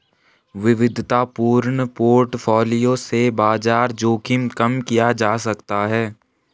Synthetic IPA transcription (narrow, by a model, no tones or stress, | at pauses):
ʋɪʋɪd̪ʱt̪apuːɾɳəpoːɾʈfʰɔːlijõsebaːzaːɾd͡ʒoːkʰɪmkɐmkijad͡ʒaːsɐkt̪aɦɛː